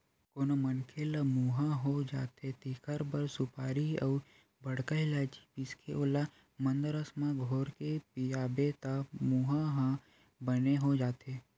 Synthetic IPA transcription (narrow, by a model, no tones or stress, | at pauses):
koːnomənkʰeləmuːɦãɦod͡ʒa̰ːt̪et̪ikʰəɾbəɾsʊpaːɾiɐu | bəɽ̤kəilaːd͡ʒi̥piskʰeʔoːla | mə̃nd̪əɾəsmãɡʱoːɾkepijaːbet̪əmuɦãɦã | bəneɦod͡ʒaːt̪e